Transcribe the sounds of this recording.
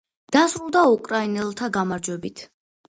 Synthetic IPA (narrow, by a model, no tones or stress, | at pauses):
d̪̥asɾulˠd̪aukʼɾainɛlˠt̪ʰaɡamaɾd͡ʒwɛbit̪ʰ